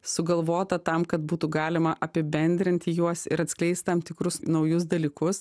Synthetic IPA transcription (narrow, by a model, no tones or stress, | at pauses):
sʊɡɐlˠʋoːt̪ɐt̪ɐmkɐt̪̚buːt̪uɡɑːlʲɪmɐʔɐpʲɪbʲɛnʲd̪ʲɾʲɪnʲt̪ʲɪjuɔsɪɾɐt̪sklʲɛɪst̪ʲt̪ɐmt̪ʲɪkɾʊsnɒʊjʊs̬d̪ɐlʲiːkʊs